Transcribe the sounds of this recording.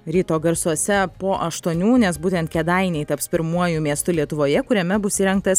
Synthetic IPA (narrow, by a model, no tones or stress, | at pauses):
ɾʲiːt̪oːɡɐɾsuɔsʲɛpoːʔɐʃt̪uɔnʲuːnʲɛsbuːt̪ʲɛnt̪̚kʲɛd̪ɐɪnʲɛɪt̪ɐpspʲɪɾmuɔjʊmʲiɛst̪ʊlʲiɛt̪ʊʋoːjɛkʊɾʲɛmʲɛbʊsiːɾʲɛŋk̚t̪ɐs